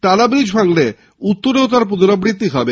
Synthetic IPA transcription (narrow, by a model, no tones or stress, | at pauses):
ʈalabɾid͡ʑʱbʱaŋle | ut̪ːoɾeot̪̬aɾp̬ud̪oɾabɾit̪ːiɦɔbe